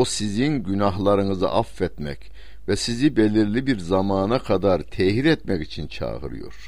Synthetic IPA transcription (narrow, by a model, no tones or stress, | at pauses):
osizinɟynaɦlˠaɾɯnɯzɯ̰ʔafːɛt̪mɛ̰c | vɛsizibelʲiɾlʲibiɾzamaːnakʰad̪aɾt̪ʰɛhiɾɛt̪mɛcit͡ʃʰint͡ʃʰa̰ːɣɯ̰ɾɯ̰jo̞̰ɾ̥